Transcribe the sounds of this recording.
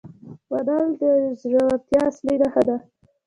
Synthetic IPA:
wad̪ɑld̪əzɾawat̪jɑsliɾaxad̪a

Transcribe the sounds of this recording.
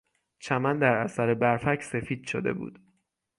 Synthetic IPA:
t͡ʃʰæmænd̪æɾæsæɾebæɾfæcʰse̞fiːd̪̥ʃod̪e̞̰bṵːd̪̥

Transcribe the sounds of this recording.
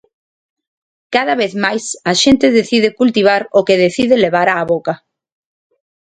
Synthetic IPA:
kaðaβeθmajsaʃent̪ɪðeθið̞ekult̪iβ̞aɾʊkeðeθiðɪleβ̞aɾaːβoka

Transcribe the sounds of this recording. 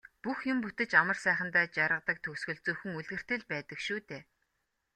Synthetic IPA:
puxjʊmput̪ɘ̆t͡ɕamə̆rsæːχə̆nt̪aːt͡ɕaɾʁə̆t̪ə̆k̚t̪ʰɵksxɵ̆ɮt͡suːxɘ̆ŋuɮɣɘ̆r̥t̪ɘ̆ɮpæːt̪ə̆kʃuːt̪eː

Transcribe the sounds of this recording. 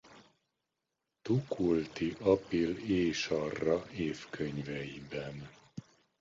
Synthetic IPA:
t̪ukult̪iʔɒpileːʃɒrːɒeːfkʰøɲvɛjibɛn

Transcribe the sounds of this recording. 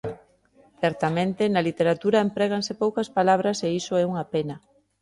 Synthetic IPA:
θɛɾt̪amẽnt̪enɐlit̪eɾat̪uɾɐempɾɛɣ̞ansepowkɐspalaβ̞ɾɐseisoɛuŋɐpenɐ

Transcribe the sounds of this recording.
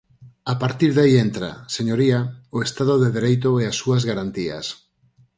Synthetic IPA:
apaɾt̪iɾðaient̪ɾa̰seɲoɾiaoest̪aðʊðeðeɾejt̪̬ʊɛasːuazɣaɾant̪ia̰s

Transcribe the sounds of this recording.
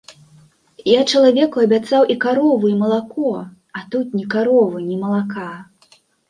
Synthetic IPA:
jat͡ʂɐlˠavʲɛkuɐbʲat̪sawʔikaɾɔvuimɐlˠakɔ | at̪ut̪̚nʲikaɾɔvɨnʲɛmɐlˠaka

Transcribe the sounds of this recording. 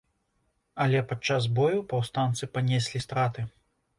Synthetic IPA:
ɐlʲɛpat͡ʂazbɔjupawst̪ant̪sɨpanʲɛsʲlʲist̪ɾat̪ɨ

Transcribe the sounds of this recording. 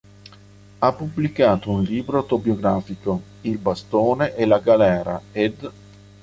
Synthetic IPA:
apːubːlikaːt̪ounliːbɾoawt̪objoɡɾaːfiko | ilbast̪oːneʔelaɡalɛːɾa̰ed̪

